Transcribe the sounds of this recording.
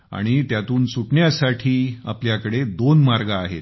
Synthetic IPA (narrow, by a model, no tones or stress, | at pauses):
a̰ɽ̃it̪jat̪uːnsuʈɳjasaʈʰiːa̰pljakəɽed̪onmaɾɡaːɦḛt̪